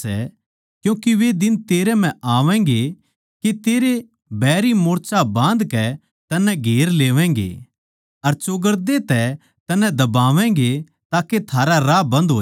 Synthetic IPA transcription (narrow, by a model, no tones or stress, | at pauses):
ɛ̰ | kjũːkiʋed̪ɪnt̪eːɾɛm̤ɛ̃aːʋɛ̃ːŋ̆ɡe | ket̪eːɾe | bɛːɾimoːɾt͡ʃabãːnd̪kɛ | t̪ɐnːɛ̃ɡʱeːɾleːʋɛ̃ːŋɡḛ | ɐɾt͡ʃʊɡəɾd̪et̪ɛ | t̪ɐnːɛ̃d̪ɐbaːʋɛ̃ːɡe | t̪aːket̪ʰaːɾaɾaːbɐ̃nd̪ɦoː